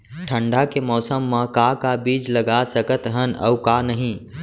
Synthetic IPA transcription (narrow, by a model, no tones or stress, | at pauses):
ʈʰə̃ɳɖakemɔːsəmːãkaːkabiːd͡ʒlɐɡasəkət̪ɦənɐ̰ʊkaːnɐɦĩː